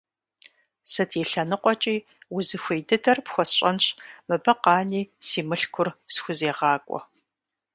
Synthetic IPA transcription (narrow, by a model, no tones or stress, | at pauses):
sɨtʰiːɬɐnɨqʷʼɔt͡ʃʼiː | wʊzɨxʷejdɨdɐrpxʷɔsɕʼɐnɕʼmɨbɐqɑːniːsiːmɨɬkʷʰʊrsxʷʊzeːʁɑːkʷʼɔ̰